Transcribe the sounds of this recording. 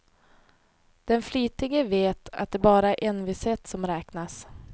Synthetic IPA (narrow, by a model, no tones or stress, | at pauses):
d̪̥ɛnflyːt̪ɪɡəveːt̪a̰t̪̚d̪ɛːbɑːɾaæɾʔɛnvɪshɛt̪ːsɔmɾɛːknas